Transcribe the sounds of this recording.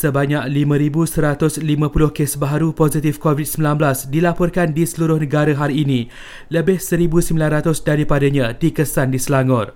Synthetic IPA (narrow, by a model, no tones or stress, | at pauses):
səbaɲak̚limãɾibusəɾat̪ʊslimãpulʊhkesbaɦaɾupozit̪ɪfkovit̪̚səmbilanblasdilapɔrkandisəluɾʊhnə̃ɡaɾəɦaɾiːnĩ | ləbɪhsəɾibusəmbilanrat̪ʊsdaɾipadaɲãdikəsandisəlaŋɡɔr